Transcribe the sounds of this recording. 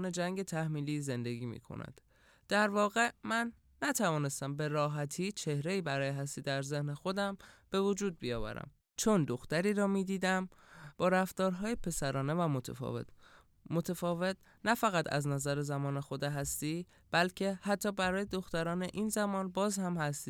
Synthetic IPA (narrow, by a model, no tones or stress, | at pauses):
ne̞d͡ʒæŋɟe̞t̪ʰæhmiːliːze̞nd̪e̞ɡḭːmḭkʰo̰næ̰d̪̥ | d̪̥æɾvɒːɣe̞mænː | æt̪ʰævɒːne̞st̪æmbe̞ɾɒːɦæt̪ʰiːt͡ʃʰe̞hɾe̞iːbæɾɒːjeɦæst̪iːd̪æɾze̞hnexo̞d̪æmb̥e̞vod͡ʒuːd̪̚bijɒːvæ̰ɾæ̰m | t͡ʃʰo̞nd̪o̞xt̪æɾiːɾɒːmiːd̪iːd̪æm | b̥ɒːɾæft̪ɒːɾɦɒːjepʰe̞sæɾɒːne̞væmot̪ʰefve̞̰t̪ | mot̪ʰefɒːve̞t̪̚ʰ | næfæɣæt̪ʰæ̰znæzæɾezæmɒːnexo̞d̪eɦæst̪iː | b̥ælcʰe̞hæt̪ʰːɒːbæɾɒːjed̪o̞xt̪æɾɒːne̞ʔiːnzæmɒːnbɒːzhæmhæst̪iː